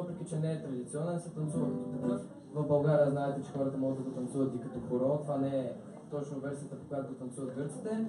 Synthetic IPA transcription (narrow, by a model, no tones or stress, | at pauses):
vəpɾɛkʲit͡ʃɛnɛːt̪ɾɐd̪it̪siɔnɛnsɛt̪ɐnt̪suvət̪k̪ | vɐvbɐlˠɡaɾijəznaɛt̪ɛt͡ʃɛxɔɾɐt̪əmɔɡəd̪ɐɡot̪ɐnt̪suvɐt̪ikɐt̪ɔxoɾɔt̪ovanɛɛ | t̪ɔt͡ʃnovɛɾsijət̪əpo̥kojat̪od̪ɐt̪ɐnt̪suvət̪ɡɤɾt̪si̥t̪ɛ